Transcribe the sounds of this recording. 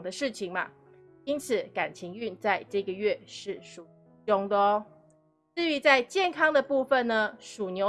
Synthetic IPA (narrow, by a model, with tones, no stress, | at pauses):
ŋd̪ə˦ʂɻ̩˥˩t͡ɕʰi˨˩ŋmɐ̰˦ | i˥nt͡sʰɹ̩˨˩˦ka˨˩nt͡ɕʰi˧˥ŋy˥˧nt͡sa˥˧ɪʈ͡ʂɤ˥˩ɡə˩ɥɛ˥˩ʂɻ̩˥˩ʂu˨˩ | o˥ŋd̪ə˧˦ | ʈ͡ʂɻ̩˥˩y˧˥t͡sa˥˧ɪt͡ɕjɛ˥˩nkʰɑ˥ŋd̪ə˨pu˥˧fə˨nnə˩ʂu˨˩njo˧˥